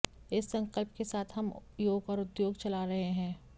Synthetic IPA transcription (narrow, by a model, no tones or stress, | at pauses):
ɪsːɐ̃ŋkəlp̚kesaːt̪ʰɦɐmjoːɡɔːɾʊd̪joːɡt͡ʃɐlaɾɐɦeɦɛ̃ː